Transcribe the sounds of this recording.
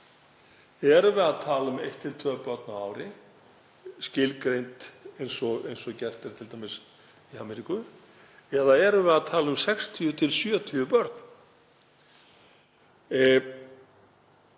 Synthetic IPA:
ɛɾʏvɛðaðt̪ʰaːlʏmejht̪ʰːɪlt̪ʰvœːpœɾt̪naa̰ːwɾɪ | scɪlkɾejnt̪ejnsɔɣejnsɔcɛst̪ɛɾ̥t̪ʰɪlt̪amɪs | iamɛɾikʏ | ɛðaɛɾʏvɛðaðt̪ʰaːlʏmsɛkst̪ʰiːʏt̪ʰɪlsjœːt̪ʰiʏpœɾt̪n̥

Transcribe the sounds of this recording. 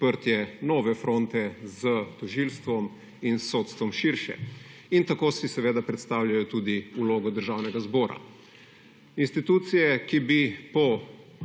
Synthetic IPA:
pəɾt̪jɛnɔːʋɛfɾoːnt̪ɛzət̪ɔʒilst̪ʋɔm | insoːt̪st̪ʋɔmʃiɾʃɛ̰int̪akoːsisɛʋeːd̪apɾɛt̪st̪aːwʎʲjajɔt̪uːd̪iuloːɡɔd̪əɾʒawnɛɡazbɔːɾa̰ | inst̪it̪uːt̪sijɛkibipɔ

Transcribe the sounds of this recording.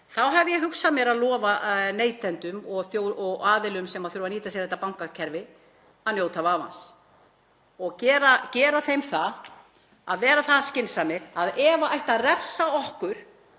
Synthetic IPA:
θawɦɛvjɛɦʏksamjɛɾaðlɔːvaneːjt̪ʰɛnt̪ʏmɔɣθjowɾɔɣaːðɪlʏmsɛmaðθʏɾvaniːt̪asjɛɾɛht̪apawŋ̥kacʰɛɾvɪ | aðnjowt̪ʰavaːva̰ns | ɔɣcɛːɾacɛːɾaθejmθa | aðvɛːɾaθascɪnsamɛɾaðɛvaajht̪aðrɛfsaɔhkʏɾ̥

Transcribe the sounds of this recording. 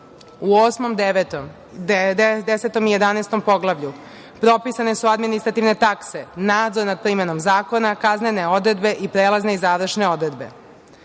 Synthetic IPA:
uosmo̞md̪eet̪om | d̪d̪eset̪o̞mije̞d̪anest̪o̞mpo̞ɡlˠaʋʎu | pɾo̞pisane̞suad̪minist̪ɾat̪iʋne̞t̪akse̞naːd̪zo̞ɾnad̪̚pɾimeno̞mzaːko̞nakaznene̞o̞d̪ɾe̞d̪̚be̞ʔipɾeːlˠazne̞izaːʋr̩ʃne̞o̞d̪ɾe̞d̪be̞̰

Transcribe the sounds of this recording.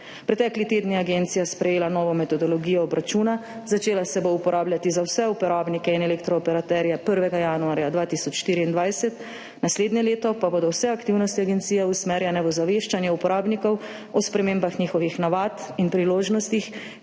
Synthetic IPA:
pɾɛt̪ɛklit̪eːd̪niaɡent̪sijaspɾɛjeːlanɔːʋɔmɛt̪ɔd̪ɔlɔɡiːjɔːbɾat͡ʃuːna | zat͡ʃeːlasɛboupɔɾʔaːblʲjat̪izawsɛupɔɾaːbnikɛinɛlekt̪ɾɔːpɛɾat̪ɛɾjɛpəɾʋɛɡajaːnuaːɾjad̪ʋaːt̪isɔt͡ʃʃt̪iːɾiːnd̪ʋajsɛt̪ | nasleːd̪nɛleːt̪ɔpaboːd̪ɔwsɛakt̪iwnɔst̪iaɡɛnt̪sijɛusmeɾjanɛʋɔzaʋeʃt͡ʃanjɛupɔɾʔaːbnikɔw | ɔspɾɛmeːmbaxɲiːxɔʋixnaʋat̪ | inpɾiloːʒnɔst̪ix

